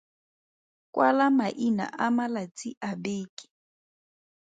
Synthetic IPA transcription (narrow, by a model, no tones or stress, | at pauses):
kʼwʔalamaʔina̰ʔamalat͡sʰʼiʔabeːkʼi̥